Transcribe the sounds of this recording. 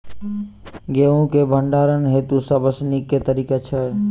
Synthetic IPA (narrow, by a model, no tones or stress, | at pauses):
ɡeːũkebʱəɳɖaːɾənɦeːt̪usabəsnikːet̪əɾiːket͡ʃʰə